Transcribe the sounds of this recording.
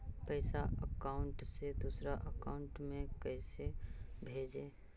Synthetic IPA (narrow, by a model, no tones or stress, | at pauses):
pəɪsaəkaʊɳʈsed̪uːsɾaʔəkaʊ̃ɳʈmẽkəɪsebʱeːd͡ʒeː